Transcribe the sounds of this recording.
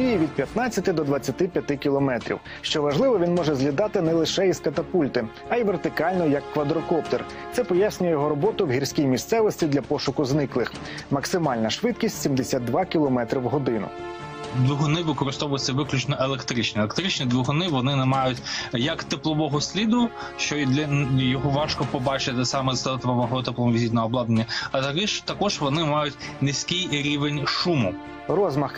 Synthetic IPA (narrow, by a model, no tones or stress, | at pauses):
ijiʋʲid̪̚pʲjɐt̪nɑt͡sʲːɐt̪ɪd̪ɔd̪ʋɐt͡sʲːɐt̪ɪpʲjɐt̪ɪkʲilˠɔmɛt̪ɾʲḭw | ʃt͡ʃɔʋɐʒlˠɪʋɔʋʲinmɔʒɛzɦlʲid̪ɑt̪ɪnɛlˠɪʃɛiskɐt̪ɐpulʲt̪ɪ | ɐiʋert̪ɪkɑlʲnɔjɐkːʋɐd̪ɾɔkɔp̚t̪ɛr | t̪sɛpɔjasʲnʲʊjɛjɔɦɔɾɔbɔt̪ʊwɦʲirʲsʲkʲijmʲist̪sɛʋɔsʲtʲid̪lʲɐpɔʃʊkʊznɪklˠɪx | mɐksɪmɑlʲnɐʃʋɪt̪̚kʲisʲtʲsʲimd̪esʲad̪̚d̪ʋɑkʲilˠɔmɛt̪ɾiwɦɔd̪ɪnʊ̰ | d̪ʋʊɦɔnɪʋɪkɔɾɪst̪ɔʋʊjɪt͡sʲːɐʋɪklʲʊt͡ʃnɔʔelˠekt̪ɾɪt͡ʃnʲielʲˠekt̪ɾɪt͡ʃnid̪ʋʊɦɔnɪʋɔnɪnɛmɑjʊtʲjɐkt̪eplˠɔʋɔɦɔsʲlʲid̪ʊ | ʃt͡ʃɔd̪lʲɐjɔɦɔʋɑʃkɔpɔbɑt͡ʃɪt̪ɪsɑmɛzɛt̪ʋɔmɔɦɔt̪eplˠɔmɔʋizʲit̪ʲnɔɦɔblˠɑd̪nenʲːɐɐt̪ɐkɛʒt̪ɐkɔʒʋɔnɪmɑjʊtʲ | nɪsʲkɪjɾʲiʋenʲʃumʊ | rɔzmɐx